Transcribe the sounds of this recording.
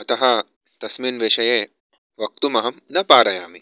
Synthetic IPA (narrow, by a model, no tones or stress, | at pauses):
ɐt̪ɐɦɐ | t̪ɐsminʋeːʃɐje | ʋɐk̚t̪umɐɦɐmnɐpaːɾɐjaːmi